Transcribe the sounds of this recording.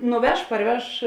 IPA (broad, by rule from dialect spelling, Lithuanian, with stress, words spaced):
nʊˈʋʲɛʃ pɐrʲˈʋʲɛʃ